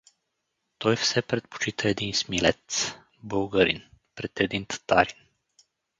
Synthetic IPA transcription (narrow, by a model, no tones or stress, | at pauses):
t̪ɔjfsɛpɾɛt̪̚po̥t͡ʃit̪aɛd̪insmilɛt̪s | bowɡəɾḭnpɾɛt̪ɛd̪int̪ːaɾin